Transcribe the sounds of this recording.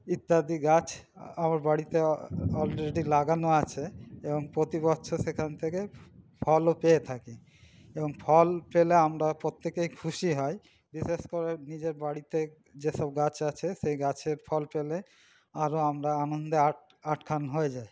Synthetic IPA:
it̪ːad̪iɡat͡ɕʰ | amaɾbaɽit̪eɔlɾeɖilaɡanoat͡ɕʰeeboŋpɾot̪ibɔtːʃʰosekʰant̪ʰekepʰɔlopeet̪ʰaki | eboŋpʰɔlpeleamɾapɾot̪ːekejkʰuʃiɦɔj | ɖiseskoɾenid͡ʑeɾbaɽit̪e | d͡ʑeʃɔbɡat͡ɕʰat͡ɕʰesejɡat͡ɕʰeɾpʰɔlpele | aɾoamɾaanond̪ea | aʈkʰanɦoed͡ʑaj

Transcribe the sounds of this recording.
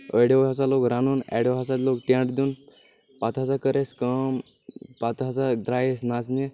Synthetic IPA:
əjɽeʋɦasalokɾanuːnɛ̰ɽewɦasat̪lokʈ̪ẽɳɖd̪uːn | pat̪ɦat͡sakəɾeskəmpat̪ɦat͡sad̪ɾajesnat͡sne

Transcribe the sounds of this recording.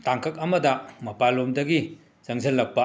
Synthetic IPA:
taŋkʰɐk̚ɐmɐdɐmɐpalomdɐɡi | z̥ɐŋzɐlːɐk̚pɐ

